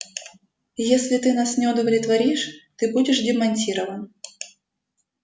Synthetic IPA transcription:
jesʲlʲɪt̪ɨnasnʲɪʊd̪əvlʲɪt̪vɐɾʲiʂt̪ɨbudʲɪʂdʲɪmɐnʲtʲiɾəvən

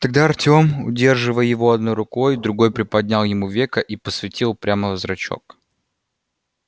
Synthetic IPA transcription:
t̪ɐɡ̚d̪aɐrtʲo̞mʊ̰dʲe̞rʐɨvəjjɪvo̞ɐd̪noɾʊko̞jd̪ɾʊɡo̞jpɾʲɪpɐd̪ʲnʲalˠjɪmuvʲekəʔipəsvʲɪtʲilˠpɾʲaməvəzɾɐt͡ɕo̞̰k

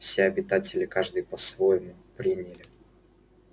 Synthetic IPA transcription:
fsʲeɐbʲɪt̪atʲɪlʲɪkaʐd̪ɨjpɐsvojɪmʊpɾʲinʲɪlʲɪ

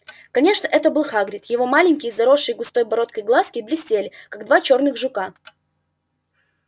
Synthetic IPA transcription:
kɐnʲe̞ʂnəʔɛt̪əbɨlˠxaɡɾʲɪt̪jɪvo̞malʲɪnʲkʲɪjzɐɾo̞ʂːɨjɡʊst̪o̞jbɐɾo̞t̪kəjɡlˠaskʲɪblʲɪsʲtʲelʲɪkaɡd̪vat͡ɕo̞rnɨxʐʊka

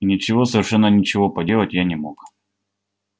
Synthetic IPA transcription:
nʲɪt͡ɕɪvo̞səvʲɪrʂɛnːənʲɪt͡ɕɪvo̞pɐdʲe̞lˠətʲjanʲɪmo̞k

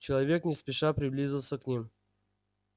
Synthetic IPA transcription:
t͡ɕɪlˠɐvʲe̞knʲɪspʲɪʂapɾʲɪblʲizʲɪlˠsʲəknʲim

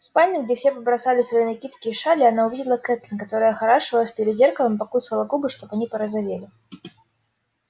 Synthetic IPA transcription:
fspalʲnʲɨɡdd͡zʲɛfsʲɛpɐbɾasalʲɪsvɐjinakʲit̪kʲɪːʂalʲɪanaʊvʲidʲɪlˠəkɛt̪lʲɪnkat̪oɾəjəxaɾaʂɨvəlˠəfʲpʲɪɾʲɪd̪zʲerkəlˠɨmpɐkusvɐlˠɐkubɨʂt̪ɔpanʲipəɾəzavʲelʲɪ

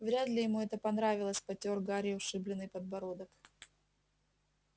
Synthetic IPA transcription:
vɾʲad̪lʲɪjɪmuɛt̪əpɐnɾavʲɪlˠəsʲpɐtʲorɡaɾʲɪʊʂɨblʲɪnːɨjpəd̪̚bɐɾod̪ək

